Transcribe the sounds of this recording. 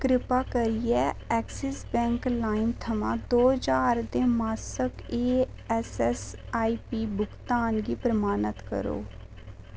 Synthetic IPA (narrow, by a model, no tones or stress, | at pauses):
kɾɪpaːkəɾɪjɛːɛːksɪsbɛ̃ːŋklaːɪmt̪ʰəmã̰ːd̪oːd͡ʒaːɾd̪eːmaːsəkeː | ɛsɛsaːiːpiːbʊkt̪aːnɡiːpɾəmaːnət̪kə̰ɾo̰ː